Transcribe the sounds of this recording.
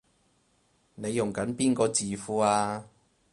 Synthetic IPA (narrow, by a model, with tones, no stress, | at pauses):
ne˨˧jːʊ˨˩ŋkɐ˨˥npiː˥nkɔː˧t͡siː˨fuː˨˧˥aː˧